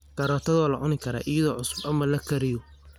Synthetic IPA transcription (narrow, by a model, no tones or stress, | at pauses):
kɐɾɔːt̪ʰɐðɔlɐʕʊnɪkʰɐɾa̰ːʔɪjɐðɔːʕʊsʊ̥bɐmɐlɐkʰɐɾɪjɔ